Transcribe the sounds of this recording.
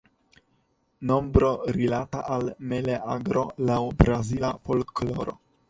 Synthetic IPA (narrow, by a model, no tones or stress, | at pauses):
no̞mbɾo̞ɾilata̰ʔalmeleʔaɡɾo̞lawbɾazilafolklo̞ɾo̞̰